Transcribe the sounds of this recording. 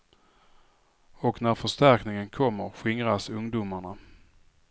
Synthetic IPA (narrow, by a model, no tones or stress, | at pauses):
ɔknæɾfœʂt̪æɾknɪŋənkʰɔmːəɾɧɪŋɾasɵŋd̪uːmaɳa